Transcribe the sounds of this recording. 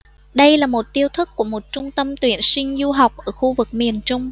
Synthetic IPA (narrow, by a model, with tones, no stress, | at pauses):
ɗə˧jlaː˨˩mo˨˩t̚t̪i˧əwt̪ʰɨ˦˥kku˧˩əmo˨˩t̚t͡ɕʊ˧ŋ͡mt̪ə˧mt̪wi˧˩ənsï˧ŋ̟zu˧ɦa˨˩wk͡p̚ʔəː˧˩xu˧vɨ˨˩k̚mi˨˩ənt͡ɕʊ˧ŋ͡m